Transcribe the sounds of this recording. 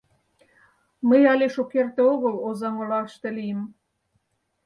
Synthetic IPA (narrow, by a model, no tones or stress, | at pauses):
məjɑleʃokert̪eoɣə̆lozɑŋolɑlʃt̪elijəm